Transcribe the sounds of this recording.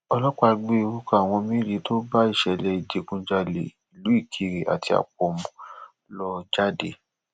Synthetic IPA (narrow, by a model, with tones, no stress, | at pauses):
ɔ˧lɔ˦ka˧ɡ͡be˦i˧ɾu˦ka˦˨w̃ɔ̃˧mĩ˦ɾi˨˦to˦ba˦i˦˨ʃɛ˨lɛ˧i˨d͡ʒe˨˦kũ˧d͡ʒa˧lḛ˨i˨lu˨˦i˦˨kʰi˦ɾe˨a̰˨tʰi˧a̰˨k͡p̚ɔ˧mũ˨ | lɔ˦d͡ʒa˦dḛ˦˨